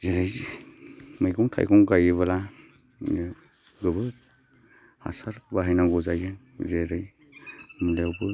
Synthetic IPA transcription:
zeɾajzi | mɯjkʰɔŋtʰa̰jkʰɔŋɡajɯβala | ɡɯbɯ | a̰saɾbaɦajnaɡɔzajɯ | zeɾɯj | mɯlewbɯ

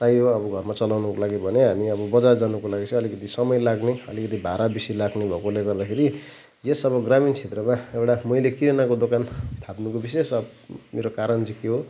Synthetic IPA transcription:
t̪ajɦoʌbʌɡʱʌrmat͡sʌlawnʌkolaɡibʱʌneɦamiʌbʌbʌd͡zard͡zanukolaɡit͡sʰʌ̃ʌlikʌt̪isʌmʌjlaɡneʌlikʌt̪̬ibʱaɾabisilaɡnebʱʌkoleɡʌrd̪akʰeɾi | jesʌβʌɡramint͡sʰet̪rʌmaewʈamʌilekiɾenakod̪okant̪ʰapnukobisesʌbmeɾokaɾʌnd͡zikeɦo

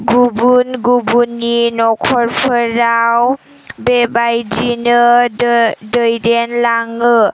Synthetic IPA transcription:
ɡubunɡubunːinɔkʰɔɾpʰəɾaw | bebajd͡ʒinɯ | dəjdenlaŋɯ

